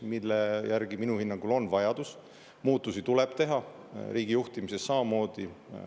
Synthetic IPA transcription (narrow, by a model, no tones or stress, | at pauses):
milːejærɡ̥iminuhinːɑŋɡ̥ulo̞nvɑjɑd̪us | muːt̪ːˑusit̪uleb̥̚t̪e̞ɦɑ | ɾʔiːɡ̥ijuht̪imise̞sːɑmɑmo̞ːd̪̥i